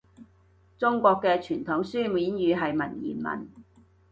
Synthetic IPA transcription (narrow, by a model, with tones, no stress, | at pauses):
t͡sʊ˥ŋkʷɔː˧kːɛː˧t͡ʃʰyː˨˩nt̪ʰʊ˨˥ŋsyː˥miː˨˥njyː˨˧ɦɐ˨jmɐ˨˩njḭː˨˩nmɐ̰˨˩n